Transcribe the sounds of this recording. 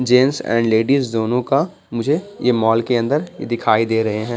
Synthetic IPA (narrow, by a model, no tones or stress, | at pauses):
d͡ʒeːnsɛ̰̃ːɳɖleːɖizːoːnõka | mʊd͡ʒʱejemɔːlkeɐ̃nd̪əɾjḛd̪ɪkʰaːid̪eːɾɐɦeɦɛ̃ː